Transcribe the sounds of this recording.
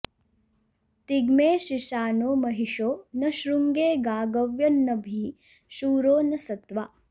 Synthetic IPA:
t̪iɡmeːʃiʃaːnoːmɐɦiʂoːnɐʃɾuŋɡeːɡaːɡɐʋjɐnːɐbʱi | ʃuːɾoːnɐsɐt̪ʋaː

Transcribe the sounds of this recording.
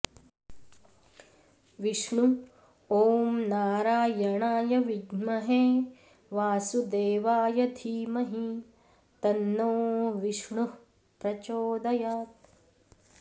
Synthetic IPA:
ʋiʂɳu | oːmnaːɾaːjɐɳaːjɐʋiɡmɐɦeː | ʋaːsud̪eːʋaːjɐd̪ʱiːmɐɦi | t̪ɐnːoːʋiʂɳu | pɾɐt͡ʃoːd̪ɐjaːt̪

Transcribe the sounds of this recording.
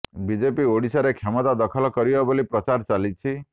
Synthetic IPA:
bid͡ʒepioɽisaɾekʰemɔt̪ad̪ɔkʰɔlɔkɔɾibɔbolipɾɔt͡ʃaɾt͡ʃalit͡ʃʰi

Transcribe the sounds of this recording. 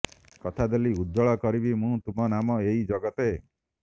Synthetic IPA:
kɔt̪ʰad̪eliud̪ːɔɭɔkɔɾibimũt̪umɔnamɔeid͡ʒɔɡɔt̪e

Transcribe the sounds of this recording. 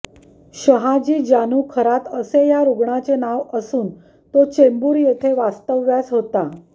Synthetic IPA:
ɕəɦad͡ʑiːd͡ʑanuːkʰəɾat̪əsejaɾuɡɳat͡senaʋəsuːn | t̪ot͡ɕembuːɾjet̪ʰeʋast̪əʋːjasɦot̪a

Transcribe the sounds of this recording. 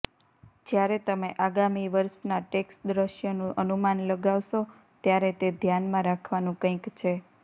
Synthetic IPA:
d͡ʒjaɾet̪əmeʔaɡamiʋəɾʃnaʈeksʈ̚d̪ɾəʃjonũʔənumanləɡaʋʃo | t̪jaɾet̪ed̪ʱjanmãɾakʰʋanũkə̃ĩkt͡ʃʰe

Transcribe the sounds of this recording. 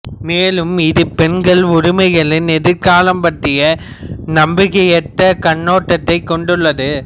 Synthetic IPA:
meːlɯmɪðɯpɛnɡɐɭʊɾɪmɐɪɣɐɭɪnɛðɯɾkaːlɐmpɐʈrɪjɐ | nɐmbɪɣɐjɛt̪ːɐkɐɳːoːʈːɐt̪ːɐɪkːɔɳɖɯɭːɐðɯ

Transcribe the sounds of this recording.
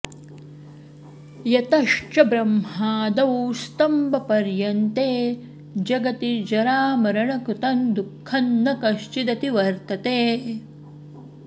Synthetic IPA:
jɐt̪ɐʂt͡ʃɐbɾɐmɦaːd̪ɐwust̪ɐmbɐpɐɾjɐnt̪eː | d͡ʒɐɡɐt̪id͡ʒɐɾaːmɐɾɐɳɐkut̪ɐnd̪ukʰːɐnːɐkɐʃt͡ʃid̪ɐt̪iʋɐɾt̪ɐt̪eː

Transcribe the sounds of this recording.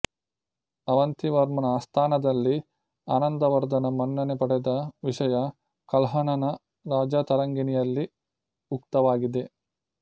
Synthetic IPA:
ɐʋɐnt̪iʋɐɾmɐnɐst̪ʰaːnɐd̪ɐlːi | aːnɐnd̪ɐʋɐɾd̪ɐnɐmɐnːɐnepɐɽed̪ɐʋiʂɐjɐ | kɐlɦɐnɐnɐ | ɾaːd͡ʒat̪ɐɾɐŋɡinijɐlːi | ukt̪ɐʋaːɡid̪e̞

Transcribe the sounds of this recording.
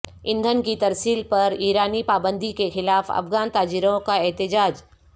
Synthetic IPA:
ɪ̃nd̪ʱənkit̪ɐɾsiːlpɐɾiːɾaːnipaːbə̃nd̪ʱikexɪlaːfɐ̰fɣaːnt̪aːd͡ʒiːɾõkaɛɦt̪ɪd͡ʒaːd͡ʒ

